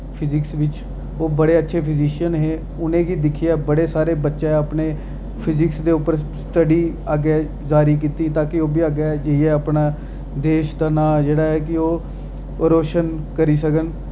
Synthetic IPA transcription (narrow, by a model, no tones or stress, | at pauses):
pʰɪzɪksʋɪt͡ʃ | oːbəɽeːətːʃʰeːpʰɪziːʃənɦeː | ʊnẽːɡiːd̪ɪkʰːiaːbəɽeːsaːɾeːbətːʃeəpneː | pʰɪzɪksd̪eːʊpəɾsʈəɖiːaːɡeː | d͡ʒaːɾiːk̬iːt̪iːt̪ãːkɪoːbiːaːɡaːd͡ʒəiɛːəpnaː | d̪eːʃd̪aːnaːd͡ʒeːɽaːɦɛːkɪoː | ɾoːʃənkəɾiːsəkən